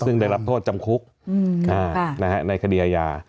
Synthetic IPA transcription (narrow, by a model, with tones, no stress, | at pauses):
sɯ˥˩ŋdaː˥˩jɾa˦˥p̚t̪ʰoː˥˩t̪̚t͡ɕa˧mkʰu˦˥k̚ | ʔaː˩˧˩na˦˥ha˦˥na˧jkʰa˧diː˧ʔaː˧ja̰ː˧˩